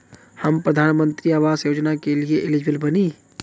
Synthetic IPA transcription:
hɐmpɾəd̪ʱaːnmə̃nt̪ɾiaːʋaːzjoːd͡ʒnakelieʔɪlɪd͡ʒʋəlbɐniː

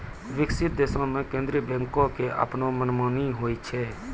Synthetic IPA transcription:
ʋɪksɪt̪̚d̪eːsõːmẽkẽːnd̪ɾiːbɛ̃ŋkõːkeʔa̰pnõːmənmaːniːɦoːiːt͡ʃʰɛː

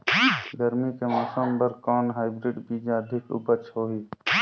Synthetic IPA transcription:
ɡəɾmikemɔːsəmbəɾkɔːnɦaːɪbɾɪɖbiːd͡ʒaəd̪ʱɪkʊ̰bət͡ʃʰɦoːɦiː

